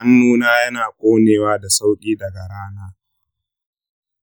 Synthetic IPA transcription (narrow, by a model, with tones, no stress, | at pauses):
ɐ˦nːuː˦naː˦jɐ˦naː˨kʷʼoː˦neː˨waː˦da˨sa˦wkʲʼiː˦dɐ˨ɡa˨ɾaː˦naː˦